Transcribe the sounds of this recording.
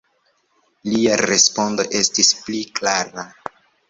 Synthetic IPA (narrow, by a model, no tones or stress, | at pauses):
liaɾe̞spo̞ndo̞ʔe̞stispliklaɾa